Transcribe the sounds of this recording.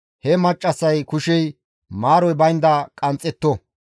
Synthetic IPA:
hɛmɐt͡ʃʼːɐsɐjkʊʃɛj | maːɾɔjbɐjnd̪ɐkʼɐnt͡sʼːɛt̪ːɔ

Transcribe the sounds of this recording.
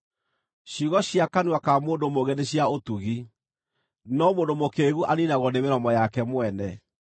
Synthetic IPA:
ɕuɣɔɕiakanwakamoːndomoɣeneɕiaotuɣi | nɔmoːndomokeɣuʔaninaɣɔnemeɾɔmɔjakɛmwɛnɛ

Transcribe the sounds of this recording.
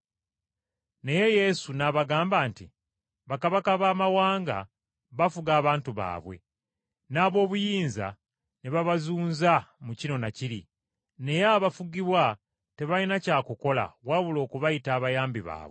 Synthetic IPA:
ne̞je̞je̞sunaβaɡaːmbaːnti | βakaβakaβaːmawaːŋɡa̰ | βafuɡaːβaːntuβa̰ːβwe̞̰ | naːβo̞ːβujiːnza̰ | neβaβazuːnzamucino̞naciɾḭ | ne̞jaβafuɡiβwa | te̞βalinacaːkuko̞la̰waβulo̞ːkuβajitaːβajaːmbiβa̰ːβwe

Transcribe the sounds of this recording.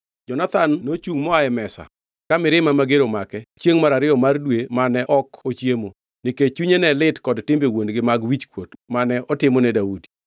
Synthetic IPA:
d͡ʒɔnat̪anːot͡ʃuŋmɔaɛmɛsa̰ | kamɪɾɪmamaɡeɾomakɛt͡ʃjeŋmaɾaɾɪɔmardwemanɛʔɔkot͡ʃjemo | nɪket͡ʃuɲenɛlɪtkɔdtɪmbewondɡɪmaɡwit͡ʃkwotmanɛʔɔtɪmɔnɛdaudi̥

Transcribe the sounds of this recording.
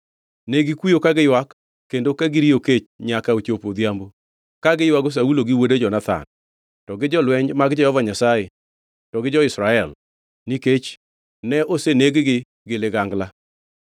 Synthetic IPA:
neɡɪkwijokaɡɪjwakː | endokaɡɪɾioket͡ʃɲakaot͡ʃopod̪jambo | kaɡɪjwaɡos̬auloɡɪwoded͡ʒɔnat̪a̰n | tɔɡɪd͡ʒɔlwɛɲmaɡd͡ʒɛhɔvaɲasaje | tɔɡɪd͡ʒɔɪsɾaɛl | niket͡ʃ | nɛʔoseneɡɡɪ | ɡɪlɪɡaŋɡla

